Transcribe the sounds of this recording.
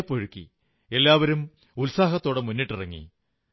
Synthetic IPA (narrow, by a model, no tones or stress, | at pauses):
pːoɻukːḭ | e̞lːaːʋɐɾum | ulsaːɦɐt̪ːo̞ːɽemunːiʈːirɐŋːḭ